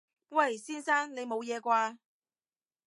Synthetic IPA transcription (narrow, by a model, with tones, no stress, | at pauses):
wɐ˥˨˩jsiː˥nsaː˥ŋne˨˧jmo˨˧wjɛː˨˧kʷaː˧